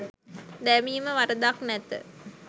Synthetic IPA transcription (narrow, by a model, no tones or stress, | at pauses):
d̪ɛmiːməʋaɾəd̪aknɛt̪ə̰